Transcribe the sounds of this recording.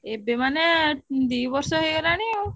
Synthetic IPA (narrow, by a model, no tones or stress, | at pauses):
ebemaned̪ijbɔɾsɔɦojɡɔlaɽ̃io